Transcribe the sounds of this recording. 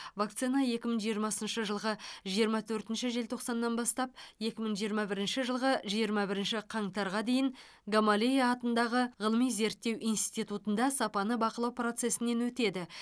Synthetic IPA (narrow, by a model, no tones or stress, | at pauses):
vak̚t̪sinɑje̞kʲɪməɴʒijəɾmɑsənʃəʒəlˠʁəʒijəɾmɑt̪ʰɵɾt̪ɪnʃɪʒe̞lt̪ʰo̞qsɑnːɑnbɑst̪ɑp̚je̞kʲɪməɴʒijəɾmɑbɪɾɪnʃɪʒəlˠʁəʒijəɾmɑbɪɾɪnʃɪqʰɑɴt̪ɑɾʁɑd̪e̞jɪŋ | ɡamalʲejaːt̪ənd̪ɑʁəʁəlˠəmijze̞ɾt̪ːe̞wʔijnst̪it̪ut̪ənd̪ɑsɑpɑnəbɑqəlˠɑwpro̞t̪se̞sɪne̞nwɵt̪e̞d̪ɪ